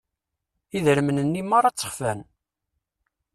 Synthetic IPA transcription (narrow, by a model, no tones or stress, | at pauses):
iðəɾəmənənːimːaɾˤɑt͡sːə̥χfæn